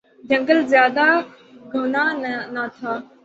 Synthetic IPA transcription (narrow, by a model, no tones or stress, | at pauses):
d͡ʒə̃ŋɡəlzjaːd̪a | ɡʱɐʋnanat̪ʰaː